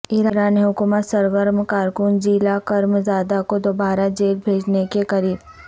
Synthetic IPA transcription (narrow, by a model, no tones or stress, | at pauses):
ɪɾaɾaːniɦʊkuːmət̪səɾʋəɾmkaːɾkʊnd͡ʒiːlakɐɾmzaːd̪akod̪obaːɾad͡ʒeːlbʱeːd͡ʒnekekɐɾiːɾ